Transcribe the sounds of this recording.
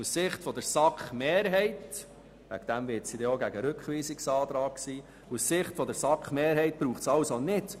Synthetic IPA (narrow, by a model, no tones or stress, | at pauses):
ussɪχtfɔd̥əɾsɑkχmeːɾɦɛɪt | ʋæ̰ɡd̥æmvɪɾtsid̪ɛoɡæɡəɾʏkχʋiːsɪksɑːtɾɑːkksiː | usːɪχtfɔdəɾsɑkχmeːɾɦɛɪt̚b̥ɾuːχtsɑwsonɪt